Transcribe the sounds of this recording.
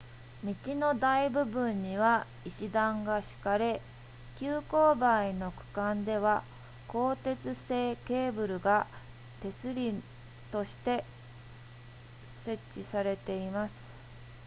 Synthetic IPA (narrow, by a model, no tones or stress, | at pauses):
mʲit͡ɕino̞d̪aibɯ̟bɯ̟̃ɲ̟ːiβa | iɕid̪ãŋɡaɕi̥kaɾe̞ | kʲɨːko̞ːbaino̞kɯ̟̥kãnd̪e̞β̞a | ko̞ːt̪e̞t͡sɨse̞ːke̞ːbɯ̟ɾɯ̟ɡa | t̪e̞sɨɾʲi | t̪o̞ɕi̥t̪e̞ | se̞t͡ɕt͡ɕːisaɾe̞t̪e̞imasɨ̥